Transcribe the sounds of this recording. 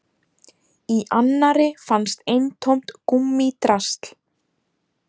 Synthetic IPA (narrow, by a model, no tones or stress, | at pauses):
iʔanːaɾɪfanst̪ejnt̪ʰowm̥t̪kumːit̪ɾast̪l̥